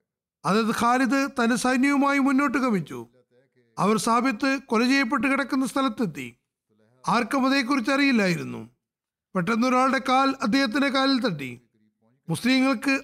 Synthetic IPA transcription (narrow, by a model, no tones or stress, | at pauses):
ɐðeðɨkʰaːliðɨt̪ɐnɐsɐjnjɐʋumaːjimunːo̞ːʈːɨkɐmit͡ɕːṵ | ɐʋɐrsaːbʱjɐt̪ːɨkolɐd͡ʑijɐp̬ːe̞ʈːɨkiɽɐkːunːɐst̪ʰɐlɐt̪ːet̪ːḭ | aːrkɐmɐðeːk̬ːuɾit͡ɕːɐrijilːaːjiɾunːṵ | peʈːɐnːo̞ɾaːɭɽe̞kaːlɐd̪ʱjeːhɐt̪̬ːinekaːlilt̪̬ɐʈːḭ | musliːŋːɐɭkɨ